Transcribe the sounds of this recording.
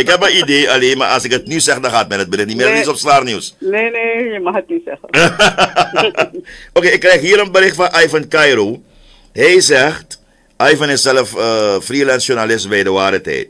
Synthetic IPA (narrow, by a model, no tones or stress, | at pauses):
ɪkɦɛpməideːaleːnma̰ʔɐsɪkət̚nysɛxədɑ̃xaːt̚mɛdət̚bəɾɪxtnimeːɾətisɔpstaːrniwsnenejəmaxət̚nisɛxə | okeːɪkːrɛjxɦiːɾənbəɾɪxtfɐnʔajfənkajɾo | ɦɛjsɛxt | ʔajfənɪsɛləfəfrilɛnsjunalɪsbɛjdəwaːɾətɛ̰jt̚